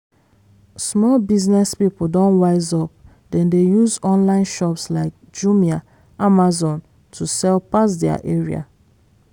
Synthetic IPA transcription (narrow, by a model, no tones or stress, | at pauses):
smɔlbiznɛspipl̩dɔ̃nwaɪzɔp̚ | dɛ̃ndejuzɔ̃nlãɪ̃nʃɔpslaɪk̚d͡ʒumia | ʔamazɔ̃n | tʰusɛlpasdɛa̰ʔeɹia̰